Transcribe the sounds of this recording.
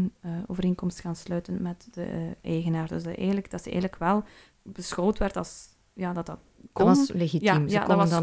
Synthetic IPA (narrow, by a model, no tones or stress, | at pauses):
nəo̰ːvəɾeːnkɔmstxaːnslœːtənmɛtd̥əʔɛːɣənaːrdɵsdɛ̰ːɣnləɡd̥ɑtsəɛ̰ɣələkʋɛlˠ | bəsxoːwtʋɛrtɑlˠs | jaːdɑtdɑt̚ | kɔɑsleɣitjaimja̰dkɔmə